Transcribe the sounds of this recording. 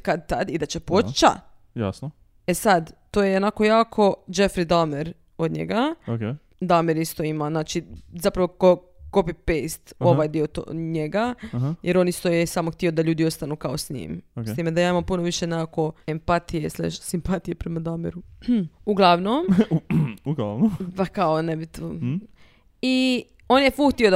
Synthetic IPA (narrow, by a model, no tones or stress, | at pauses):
kad̪̚t̪ad̪id̪at͡ɕepot͡ʃt͡ʃa̰ | ja̰sno | esad̪t̪ojeonako̞jaːkʰo̞d͡ʒefɾid̪almeɾ | od̪ɲḛɡaoke | d̪aomeɾist̪o̞imanaːt͡ʃizapɾaʋoko | kopipest̪o̞ʋajd̪iot̪o̰ɲeɡajeɾo̞ːnist̪ojesaːmoxt̪io̞d̪aʎuːd̪io̞st̪anukaosɲḭmst̪imed̪ajaːimampunoʋiʃenekako̞empat̪ijeslḛʃsimpat̪ije̞pɾemad̪ameɾuuɡlˠaʋnom | uɡlaʋnopakaonebit̪o | i | o̞njefuxt̪iod̪